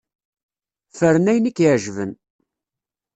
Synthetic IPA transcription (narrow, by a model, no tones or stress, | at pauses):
fəɾənæjənikːʕʒvən